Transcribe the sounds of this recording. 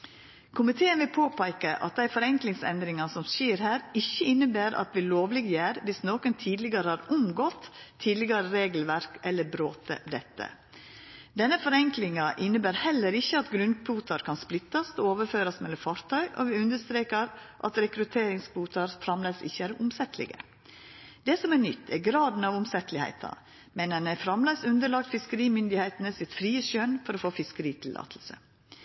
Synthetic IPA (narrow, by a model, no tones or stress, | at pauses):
kʰʊmɪt̪ʰeːənʋɪpʰoːpʰæɪkəʔɑ̰t̪̚d̪æɪfɔɾɛŋklɪŋsɛ̰nd̪ɾɪŋɑsɔmsiːɾhæːɾɪçːəɪnːəbæːɾʔɑ̰t̪ʋɪloːʋlɪɡjæːɾʋɪsnoːkənt̪ʰiːd̪lɪɡɑɾəhɑɾʊmɡɔt̪ʰːiːd̪lɪɡɑɾəɾeːɡəl̩ʋæɾkʔɛlːəɾbɾoːt̪ə̰d̪ɛt̪ːə̰ | d̪ɛnːəfɔɾɛŋklɪŋɑʔɪnəbæːɾhɛlːəɾɪçːəɑt̪ɡɾʉnpʰuːt̪ɑɾkʰɑnsplɪt̪ːɑst̪ooːʋəɾføːɾɑsmɛlːɔfɑɾt̪ʰœʏʔo̰ːʋɪʉnd̪əst̪ɾeːkəɾʔɑ̰t̪ɾɛkɾʉt̪ʰeːɾɪŋspuːt̪ɑɾfɾɑmlæɪsɪ̰çːəæːɾʊmsɛt̪ʰlɪ̰ɡə̰ | d̪ɛsɔmæːnʏt̪ʰːɛɡɾɑːd̪n̩ɑːʋʊmsɛt̪lɪhæ̰ɪt̪ʰɑ̰ | mɛnɛnɛfɾɑmlæɪsʉnd̪əɭɑk̚t̪fɪskəɾiːmʏnd̪ɪhæɪt̪ənəsɪt̪fɾiːəʃœnfɔɾoːfoːfɪskəɾiːt̪ʰɪlːʔɑ̰ːt̪ʰl̩sə̰